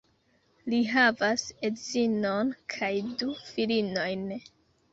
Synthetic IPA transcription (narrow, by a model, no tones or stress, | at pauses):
liɦavasedzinonkʰajdufilino̞jn